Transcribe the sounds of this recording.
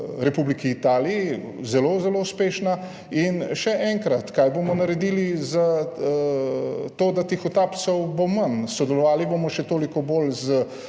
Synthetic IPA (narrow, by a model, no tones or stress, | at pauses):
ɾɛpublikiːt̪aːlii | zɛloːzɛlouspeːʃna | inʃɛʔɛŋkɾat̪kajbomɔnɐɾɛd̪iːliza | t̪oːd̪at̪exot̪aːpt̪sɔwbomansɔd̪ɛlɔʋaːlibomɔʃɛt̪oːlikɔbolzə